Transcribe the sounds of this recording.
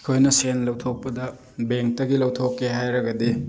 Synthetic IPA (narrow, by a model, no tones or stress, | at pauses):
kʰojnɐsenlɐwtʰok̚pɐdɐ | beŋk̚tɐɡilɐwtʰokːeɦajɾɐɡɐdi